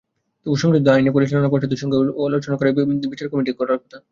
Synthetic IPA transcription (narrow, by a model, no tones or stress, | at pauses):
t̪ouʃɔŋɡed̪ajnipoɾiʃalonak̬oɾt͡ɕʰed̪uʃɔŋɡelot͡ɕonakoɾebit͡ɕaɾkɔmiʈikoɾlaɾkɔt̪ʰa